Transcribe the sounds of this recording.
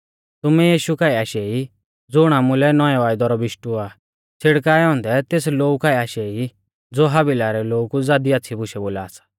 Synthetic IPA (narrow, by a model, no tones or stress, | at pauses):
t̪ʊmɛjiːʃukaːiaːʃɛi | d͡zʊɽ̃amʊlɛnɔjɛʋaːɪd̪ɔɾɔbɪʃʈuaː | t͡sʰɪɽkaːjɦɔ̃ːnd̪ɛt̪eːsloːukaːiaːʃɛi | d͡zoːɦabɪlaɾɛloːkud͡zaːd̪iatːsʰibʊʃɛboːlaːsḁ